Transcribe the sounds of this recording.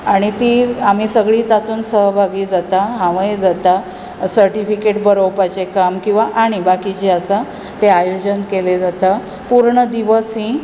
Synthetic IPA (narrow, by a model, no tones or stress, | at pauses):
aɽ̃it̪iːam̤iːsəɡɭiːt̪at̪uːnsəɦbʱaɡiːd͡zat̪aɦãʋə̃jed͡zat̪a | səɾʈifikeʈ̚bəɾowpat͡ɕekamkĩw̃ʋaʔaɽ̃ibakit͡ɕiəsa | t̪eajod͡ʑənkeled͡zat̪a | puɾɳəd̪iʋəsɦĩ